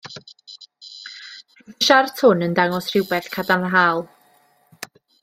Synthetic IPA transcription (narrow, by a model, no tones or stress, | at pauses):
ʃartʰʊnəndaŋɔsr̥ɪwbɛθkʰadanɦaːlˠ